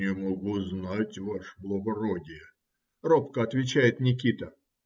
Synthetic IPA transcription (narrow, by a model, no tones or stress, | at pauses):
ɪmɐɡuznatʲvaʂblˠəɡɐɾodʲɪjə | ropkəɐt̪vʲɪt͡ɕæjɪt̪nʲɪkʲit̪ə